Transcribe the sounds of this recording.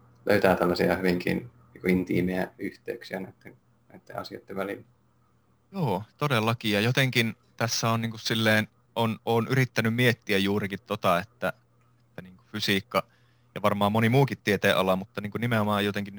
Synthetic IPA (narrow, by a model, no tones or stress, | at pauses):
lø̰yt̪æːt̪ælːɑsiɑhyʋiŋkḭnniːŋkoint̪ḭːmeæyht̪ḛyksiænæit̪ːen | næit̪ːḛʔɑ̰siɑ̰t̪ːeʋʋælḭlːæ | joːt̪odelːɑkijɑjot̪eŋkin | t̪æsːæoniːŋkussilːeːn | ʔonoːnʔyrit̪ːænymmiet̪ːiæjjuːrikit̪t̪ot̪ɑet̪ːæ | et̪ːæniːŋkufysiːkːɑ | jɑʋɑrmɑːmmonimuːkit̪tiet̪eːʔɑlɑmut̪ːɑniːŋkunimeomɑːejot̪eŋkin